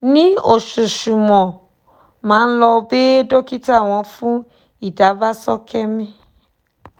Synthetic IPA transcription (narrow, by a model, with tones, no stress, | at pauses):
nĩ˦o˦˨ʃu˨ʃu˨mɔ̃˨ | mãː˨˦n̩˦lɔ˧be˦do˦ki˦ta˦˨w̃ɔ̃˧fũ˦ | i˦˨da˨˦va˦sɔ˦kɛ˦mĩ˦